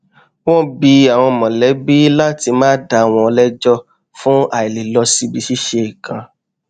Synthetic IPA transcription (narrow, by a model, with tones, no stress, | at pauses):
wɔ̃˦˨bi˨˦a˨w̃ɔ̃˧˨mɔ̃˨lɛ˨˦bi˦la˦ti˧mãː˦da˧a˨w̃ɔ̃˧ɔ˧lɛ˦d͡ʒɔ˦ | fũ˦a˨i˨li˨lɔ˧si˧bi˧ʃi˦ʃe˧i˨kã˧